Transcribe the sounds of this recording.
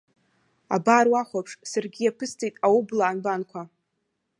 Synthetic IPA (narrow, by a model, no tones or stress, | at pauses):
a̰barwaχʷapʰʂsarɡʲijapʰɨstʰijtʼawublaːnbankʷʰa